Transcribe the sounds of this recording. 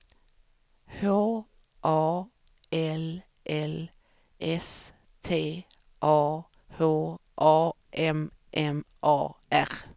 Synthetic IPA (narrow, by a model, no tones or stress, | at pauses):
hoː | ʔɑː | ɛl | ʔɛl | ʔɛs | t̪ʰeː | ʔɑː | hoːʔɑː | ʔɛm | ʔɛm | ʔɑːæʁ